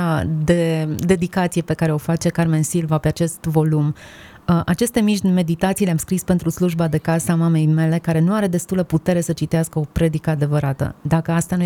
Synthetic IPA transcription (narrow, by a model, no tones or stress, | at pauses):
ad̪e̞d̪e̞d̪ikat̪sije̞pe̞kaɾeo̞fat͡ʃe̞karme̞nsilvape̞at͡ʃe̞st̪vo̞lum | əʔat͡ʃe̞st̪e̞miʒme̞d̪it̪at̪sileamskɾispe̞nt̪ɾusluʒbad̪e̞kasamame̞jme̞le̞kaɾe̞nuaɾe̞d̪e̞st̪uleput̪e̞ɾe̞sət͡ʃit̪easkəo̞pɾe̞d̪ikəad̪e̞vəɾat̪ə̰d̪akəast̪anu